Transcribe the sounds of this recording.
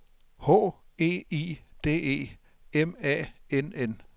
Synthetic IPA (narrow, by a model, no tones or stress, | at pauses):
hɔ̰ːe̝̰ːḭːd̥e̝̰ːe̝̰ː | emɛ̰enen